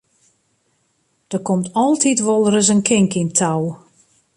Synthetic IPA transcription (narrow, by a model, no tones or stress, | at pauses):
d̥ərkomtɔlˠtʰitʋɔlˠərəs̬ənkʰɪŋkintʰaw